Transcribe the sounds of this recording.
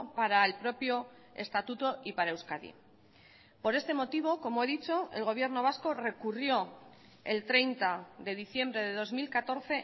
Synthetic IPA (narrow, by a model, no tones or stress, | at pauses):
paɾaelpɾo̞pjo̞ | e̞̰st̪at̪ut̪o̞ʔipaɾaewskaðḭ | po̞ɾe̞st̪e̞mo̞t̪iβ̞o̞ko̞mo̞e̞ðit͡ʃo̞e̞̰lɣ̞o̞β̞je̞ɾno̞β̞asko̞re̞kurjo̞ | e̞lt̪ɾe̞jnt̪aðe̞ðiθje̞mbɾe̞ð̞e̞ð̞o̞zmilkat̪o̞ɾθe̞